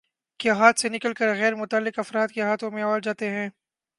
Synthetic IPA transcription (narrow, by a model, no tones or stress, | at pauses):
keɦaːt̪senɪkəlkəɾɣɛːɾmʊt̪aːlːɪqɐfɾaːd̪̚keɦaːt̪ʰõmẽɐʋaːld͡ʒaːt̪eɦɛ̃ː